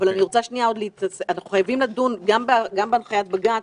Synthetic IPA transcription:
valaniʁot͡saʃnijao̞d̪leit̪aseanaχuχajavimladunɡambaɡambeanχajat̪̚baɡat

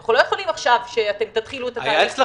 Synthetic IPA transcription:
aχulo̞jeχolimaχʃavʃeat̪e̞mt̪at̪χiluet̪aajaet͡sle

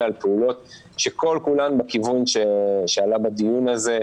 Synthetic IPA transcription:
alpeulo̞t | ʃe̞ko̞lkulanbekivunʃeʃealabadijunaze̞

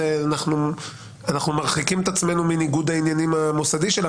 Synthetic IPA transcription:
eanaχnu | anaχnumaʁχikimet̪at͡sme̞numiniɡud̪ainjanimamosad̪iʃela

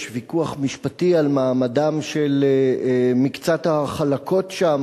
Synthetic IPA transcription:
ʃvikuaχmiʃpatialmaːmadamʃel | mikt͡sat̪haχalakʰo̞tʃam

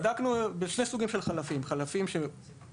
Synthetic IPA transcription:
d̪aknubeʃnesuɡimʃe̞lχalafimχalafimʃe

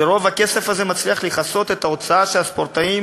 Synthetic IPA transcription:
eʁo̞vake̞se̞fazemat͡sliaχliχaso̞t̪e̞t̪ao̞t͡saaʃelaspo̞ʁt̪aim

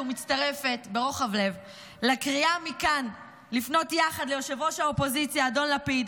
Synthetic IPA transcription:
umit͡staʁe̞fe̞tbe̞ʁo̞χavle̞v | lakʁiamikan | lifno̞tjaχadlejo̞ʃevo̞ʃaopo̞zit͡sjaːdo̞nlapiid̪

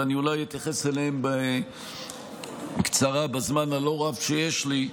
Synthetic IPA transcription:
aniulajit̪jaχeseleembe | kt͡saʁabazmanalo̞ʁavʃejeʃli

